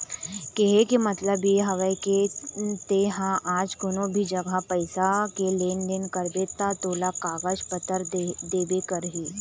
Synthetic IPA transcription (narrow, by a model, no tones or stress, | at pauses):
keɦekimɐt̪ləbjeɦɐʋəket̪eːɦãʔaːd͡ʒkʊnõbʱid͡ʒɐɡʱapɐɪsakeleːnɖenkəɾbet̪at̪oːlakaːɡəd͡ʒpət̪əɾd̪eːbekəɾɦiː